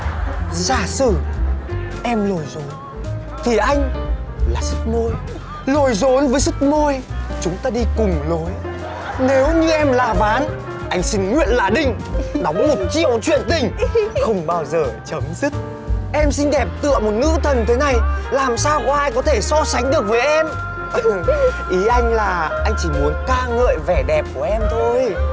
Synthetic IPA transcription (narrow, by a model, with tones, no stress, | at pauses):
zaː˧˩sɨ˧˩ | ʔɛ˧mlo˨˩jzo˨˦n | t̪ʰi˨˩ʔa˧jŋ̟laː˨˩sɨ˦˥k̚mo˧j | lo˨˩jzo˨˦nvəː˨˦jsɨ˦˥t̚mo˧jt͡ɕʊ˨˦ŋ͡mt̪aː˧ɗi˧kʊ˨˩ŋ͡mlo˨˦j | ne˨˦wɲɨ˧ʔɛ˧mlaː˨˩vaː˨˦n | ʔa˧jŋ̟sï˧ŋ̟ŋwḭ˧˨ənlaː˨˩ɗï˧ŋ̟ | nɔ˨˦kɔ˨˦mo˨˩t̚t͡ɕḭ˧˨əwt͡ɕwḭ˧˨ənt̪ï˨˩ŋ̟xə˧wŋ͡mɓaː˧wzəː˨˩t͡ɕə˨˦mzɨ˦˥t̚ | ʔɛ˧msi˧ŋ̟ɗɛ˨˩p̚t̪ɨ̰˧˨əmo˨˩t̚nɨ̰˧˥t̪ʰə˨˩nt̪ʰe˨˦na˨˩jlaː˨˩msaː˧wkɔ˨˦ʔaː˧jk̬ɔ˨˦t̪ʰe˧˩sɔ˧sa˨˦jŋ̟ɗɨ˨˩ək̚vəː˨˦jʔɛ˧m | ʔi˨˦ʔa˧jŋ̟laː˨˩ʔa˧jŋ̟t͡ɕi˧˩mu˨˦ənkaː˧ŋə̰ː˧˨jvɛ˧˨˩ɗɛ˨˩p̚ku˧˩əʔɛ˧mt̪ʰo˧j